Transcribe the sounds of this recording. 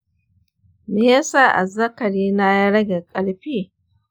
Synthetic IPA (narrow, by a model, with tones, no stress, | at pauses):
me˦ja˦saː˦˨ʔa̰˨zɐ˦kɐ˨ɾiː˦na˦ja˦ɽɐ˦ɡʲe˨kʼɐ˨lɸiː˦